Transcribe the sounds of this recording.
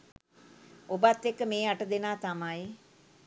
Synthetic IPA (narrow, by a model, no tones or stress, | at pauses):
obat̪ːekːəmeːaʈəd̪enaːt̪amaj